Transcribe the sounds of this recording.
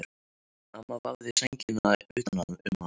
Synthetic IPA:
amavaɣðɪsɛɲcɪnaʏ̰ht̪anamʏmːa

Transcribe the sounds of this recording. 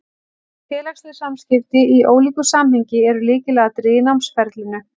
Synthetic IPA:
fɛːlaxst̪ʏ̥samscɪft̪ɪiʔoːwliːkʏsaːmhɪɲcɪɛɾʏlɪːcɪlɛːɣat̪ɾɪːnawmnsfɛɾt̪lɪnːʏ

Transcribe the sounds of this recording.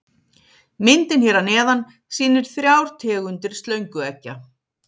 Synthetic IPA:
mɪnt̪ɪnçɛːɾanɛːðan | siːnɪɾ̥θɾjawɾ̥t̪ʰɛːɣʏnt̪ɪɾ̥st̪lœɥŋkʏɛcːa

